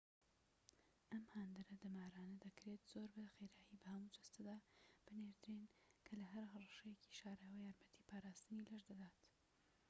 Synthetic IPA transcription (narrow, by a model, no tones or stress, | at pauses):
ʔɐmhaːnd̪ɨɾɐd̪ɨmaːɾaːnɐd̪ɐkɾet̪z̥oɾbɐxejɾaːjibɐhɐmud͡ʒ̪ɐst̪ɐd̪aːb̥ɨneɾd̪ɨɾenkʰɐlɐɦɐɾɦɐrˤɑʃɐjeci̥ʃaːɾawɐjaːɾmɐt̪ʰi̥ːpʰaːɾaːst̪ɨnilɐʒd̪ɐd̪aːt̪